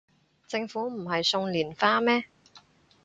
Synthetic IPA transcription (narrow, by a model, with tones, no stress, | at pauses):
t͡sɪ˧ŋfuː˨˥m̩˨˩ɦɐ˨jsʊ˧ŋliː˨˩nfaː˧˥mɛː˥